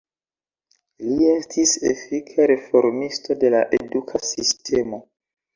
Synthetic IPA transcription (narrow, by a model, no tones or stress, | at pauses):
lie̞stʰisḛfikʰaɾe̞fo̞ɾmisto̞de̞la̰ʔe̞dukʰasistʰe̞mo̞